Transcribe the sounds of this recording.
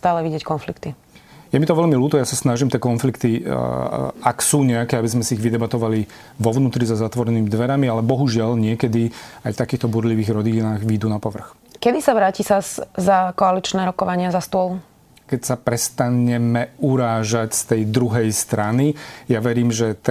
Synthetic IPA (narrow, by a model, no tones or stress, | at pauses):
st̪aːlɛʋiɟɛckɔnflikt̪i | jɛmit̪ɔʋɛʎmiluːt̪ɔjasasnaʒimt̪ɪɛkɔnflikt̪i | aksuːɲɛakɛːabizmɛsiiɣʋid̪ɛbat̪ɔʋali | ʋɔʋnuːt̪ɾizazat̪ʋɔɾɛniːmid̪ʋɛɾamialɛbɔɦuʒɪalɲɪɛkɛd̪ia̰jft̪akiːxt̪ɔbuɾliʋiːɣɾɔd̪inaːɣʋid̪uːnapɔʋr̩x | kɛd̪isaʋɾaːcisazakɔalit͡ʃnɛːɾɔkɔʋaɲɪazast̪ʊɔl | kɛcsapɾɛst̪aɲɛmɛuɾaːʒacst̪ɛjd̪ɾuɦɛjst̪ɾanijaʋɛɾiːmʒɛt̪